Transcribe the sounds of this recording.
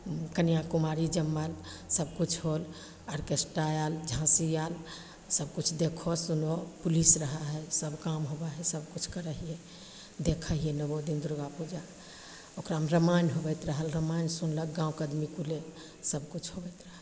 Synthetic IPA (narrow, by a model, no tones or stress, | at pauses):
kənijakumaɾid͡ʒəmːəlsəbkut͡ʃʰɦol | əɾkesʈajald͡ʒʱãsijal | səbkut͡ʃʰd̪ekʰosunopulisɾəɦaɦɛsəbkamɦobaɦɛsəb̚kut͡ʃʰkəɾəɦije | d̪ekʰəɦijenəbod̪ind̪ɾuɡapud͡ʒa | okɾamɾəmanɦobɛt̪ɾəɦəlɾəmansunlək̚ɡãw̃kəd̪mikule | səb̚kut͡ʃʰɦobɛt̪ɾəɦə